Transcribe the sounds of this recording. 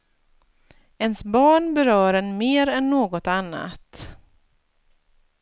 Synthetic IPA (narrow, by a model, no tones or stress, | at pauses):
ɛnsbɑːɳbɛɾœːɾɛnmeːɾɛnːoːɡɔt̪anːa̰t̪